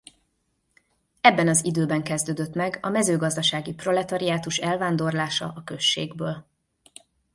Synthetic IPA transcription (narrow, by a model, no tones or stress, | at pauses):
ɛbːɛnɒzid̪øːbɛŋkɛzd̪øːd̪øt̪mɛɡɒmɛzøːɡɒzd̪ɒʃaːɡipro̞lɛt̪ɒɾiaːt̪uʃɛlvaːnd̪o̞rlaːʃɒ̰ʔɒkøʃːeːɡbøːl